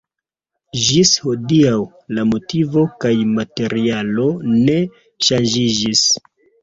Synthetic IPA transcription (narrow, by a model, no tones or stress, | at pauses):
ʒishodiaw | lamo̞tivo̞kajmate̞ɾialo̞ne̞ | ʃand͡ʒid͡ʒis